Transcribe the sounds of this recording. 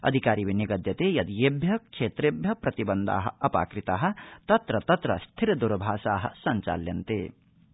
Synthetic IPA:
ɐ̰d̪ʱikaːɾiːʋiniɡɐd̪jɐt̪eːjɐd̪jeːbjɐkʂeːt̪ɾeːbʱjɐpɾɐt̪ibɐnd̪a̰ːɦɐ̰̆ɐpa̰ːkɾit̪aːɦɐ̆t̪ɐt̪ɾɐt̪ɐt̪ɾɐ̰st̪ʰiɾɐd̪uɾɐbʱaːʃaːɦɐ̰̆sɐɲt͡ʃa̰ːljɐnt̪ḛː

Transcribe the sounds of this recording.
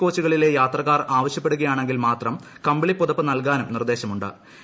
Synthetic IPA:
ko̞ːt͡ɕːuɣɐɭile̞jaːt̪rɐkːaːraːʋɐɕjɐpːe̞ɽuɣɐjaːɳe̞ŋɡilmaːt̪rɐm | kɐmbɐɭipːoðɐpːɨnɐlkaːnumnird̪e̞ːɕɐmuɳɖɨ̰

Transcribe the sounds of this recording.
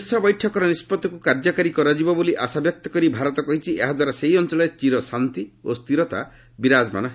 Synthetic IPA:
sɔbɔjʈʰɔkɔɾɔnispɔd̪ːɔkukaɾd͡ʒɔkaɾikɔɾad͡ʒibɔboliʔasabjɔk̚t̪ɔ̥kɔɾibʱaɾɔt̪ɔkɔɦit͡ʃʰiʔeɦad̪waɾasejɔnt͡ʃɔlɔet͡ʃiɾɔsant̪iost̪iɾɔt̪a | biɾad͡ʒma̰nɔɦ

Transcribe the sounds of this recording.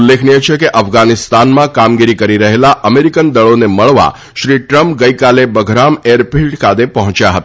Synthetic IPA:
lːekʰniet͡ʃʰekeʔəfɡanɪst̪anmãkamɡiɾikəɾiɾəɦelaʔəmeɾikənd̪əɭoneməɭʋa̰ | ʃɾiʈɾəmpɡəjkalebəɡʱɾameɾpilʈkʰad̪epəɦɔ̃t͡ʃjaɦət̪a

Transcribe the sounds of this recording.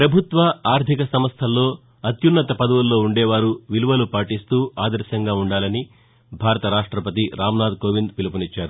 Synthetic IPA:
pɾɐbʱut̪ʋɐaːɾt̪ʰikɐsɐmɐst̪ʰɐlːo̞ː | ɐt̪junːɐt̪ɐpɐd̪ɐʋulːo̞ːuɳɖeːʋaːɾuʋiluʋɐlupaːʈist̪uːaːd̪ɐɾsɐŋɡaːuɳɖaːlɐni | bʱaːɾɐt̪ɐɾaːʂʈɾɐpɐt̪iɾaːmnaːd̪koːʋind̪̚pilɐpunit͡ʃːaːɾu

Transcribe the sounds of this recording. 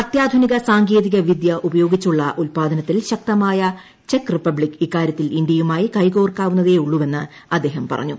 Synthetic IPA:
ɐt̪jaːd̪ʱuniɣɐsaːŋɡeːðiɣɐʋid̪jɐʔubɐjo̞ːɡit͡ɕːuɭːɐ̰ʔulpaːd̪ʱɐnɐt̪ːilɕɐk̚t̪ɐmaːjɐ | t͡ɕe̞kripːɐbɭikikːaːɾʲjɐt̪ːilindjɐjumaːjikɐjɡo̞ːrkaːʋunːɐðe̞ːuɭːuʋe̞nːɨ | ɐd̪ːe̞ːɦɐmpɐ̰rɐ̰ɲːu

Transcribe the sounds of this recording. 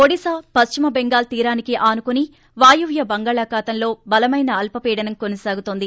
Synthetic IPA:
oɽisaːpɐst͡ʃimɐbeŋɡaːlt̪iːɾaːnikiʔaːnukuni | ʋaːjuʋjɐbɐŋɡaːɭaːkaːt̪ɐnlo̞ːbɐlɐmɐjnɐːlpɐpiːɽɐnɐmkonɐsaːɡut̪oːnd̪i

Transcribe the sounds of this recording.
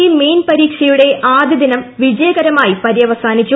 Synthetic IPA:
ime̞ːnpɐɾiːkʂɐjuɽe̞ʔaːd̪ɐd̪inɐmʋid͡ʑɐjɐɡɐɾɐmaːjipɐɾijɐʋɐsaːnit͡ɕːu

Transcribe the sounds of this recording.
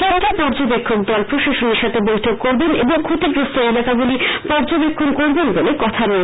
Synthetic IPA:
aʈapɔɾd͡ʑobekʰːok̚d̪ɔlpɾoʃaʃoniɾʃat̪ʰebojtʰoɡ̚koɾbenʔeboŋkʰut̪eɡɾost̪oelakaɡulipɔɾd͡ʑobekʰːonkoɾbenbolekɔt̪ʰaɾo

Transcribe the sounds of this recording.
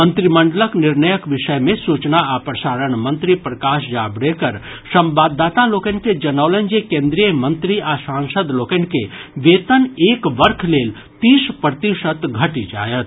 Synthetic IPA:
mə̃nt̪ɾimə̃ɳɖələknɪɾnəjəkʋɪʃəjmẽsuːt͡ʃnaapɾɐsaːɾəɳ̃mɐ̃nt̪ɾipɾɐkaːʃd͡ʒaːbɽekəɾ | sɐ̃mbaːd̪ːaːt̪aloːkenked͡ʒɐnəːʋlənd͡ʒekẽːnd̪ɾijəmə̃nt̪ɾiasãːŋsəd̪loːkenkeʋeːt̪əneːkʋəɾkʰleːl | t̪iːʃpɾət̪iʃət̪ɡʱɐʈid͡ʒa̰ːjət̪

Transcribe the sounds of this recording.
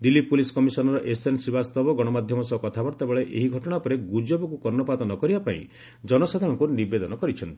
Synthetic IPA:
d̪ilːipulisɔ̥kɔmisɔnɔɾɔʔesensibast̪ɔbɔɡɔɽ̃ɔmad̪ʱjɔmɔsɔkɔt̪ʰabɔɾt̪abeɭeʔeɦiɡʱɔʈɔɽ̃apɔɾeɡud͡ʒobɔkukɔɾnɔpat̪ɔnɔkɔɾibapaĩ | d͡ʒɔnɔsad̪ʱãɔŋkuniɾbed̪ɔnɔkɔɾit͡ʃʰɔnt̪i̥

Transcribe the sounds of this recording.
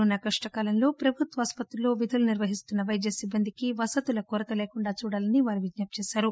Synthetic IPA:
unɐkɐʂʈɐkaːlɐnlo̞ːpɾɐbʱut̪ʋɐaːspɐt̪ɾulo̞ːʋid̪ʱɐluniɾʋɐɦist̪unːɐʋɐjd̪jɐsibːɐnd̪ikiʋɐsɐt̪ulɐkɔːɾɐk̪ɐleːkuɳɖaːt͡ʃuːɽaːlɐniʋaːɾiʋid͡ʒ̪naːp̚t͡ʃeːsaːɾu

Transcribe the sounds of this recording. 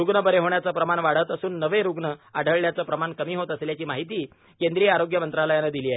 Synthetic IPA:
ɾuɡɳəbəɾeɦoɳjat͡səpɾəmanʋaɽ̤ət̪əsuːnːəʋeɾuɡɳəaɖ̤ʱəɭljat͡səpɾəmankəmiːɦot̪əsljat͡ɕiːmaɦit̪iː | kend̪ɾijəaɾoɡjəmənt̪ɾaləjanad̪iliːaɦe

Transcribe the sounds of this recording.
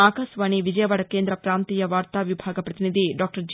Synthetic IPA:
aːkaːsʋaːɳiʋid͡ʒɐjɐʋɐɽɐkeːnd̪ɾɐpɾaːnt̪iːjɐʋaːɾt̪aːʋibʱaːɡɐpɾɐt̪inid̪ʱiɖaːk̚ʈɐɾd͡ʒ

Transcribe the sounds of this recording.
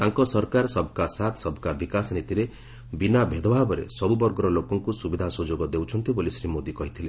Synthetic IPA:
t̪aŋkɔsɔɾkaɾsɔbʱɔkasat̪ʰsɔbʱɔkabikasnit̪iɾe | binabʱed̪ɔbʱabɔɾḛsɔbubɔɾɡɔɾɔlokɔŋkusubid̪ʱasud͡ʒoɡɔd̪ewt͡ʃʰɔnt̪ibolisɾimod̪ikɔɦit̪ʰile

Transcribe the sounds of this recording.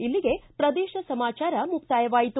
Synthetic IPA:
ilːiɡe̞pɾɐd̪ɛːʃɐsɐmaːt͡ʃaːɾɐmupt̪aːjɐʋaːjit̪u

